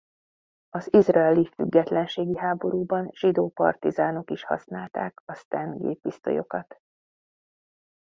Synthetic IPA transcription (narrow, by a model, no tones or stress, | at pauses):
ɒzizrɒɛlifyɡːɛt̪lɛnʃeːɡiɦaːbo̞ɾuːbɒnʒ̥id̪oːpɒ̰rt̪izaːno̞kiʃhɒ̰snaːlt̪aːkɒst̪ɛnɡḛːpːist̪o̞̰jo̞̰kɒt̪